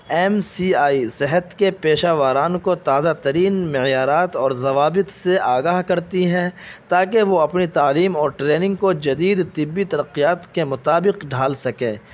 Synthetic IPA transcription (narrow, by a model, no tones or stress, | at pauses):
ɛːmsiːaːisɪɦət̪kepeːʃaːʋaːɾaːnkot̪aːzat̪ɐɾiːnmɪjaːɾaːt̪ɔːɾzɐʋaːbɪt̪seʔaːɡaːɦkɐɾt̪iɦɛ̃t̪aːkeʋoɐpnit̪aːliːmɔːɾʈɾeːnɪ̃ŋɡkod͡ʒɐd̪iːd̪t̪ɪbːit̪ɐɾəqːijaːt̪kemʊt̪aːbɪqɖʱaːlsɐkẽː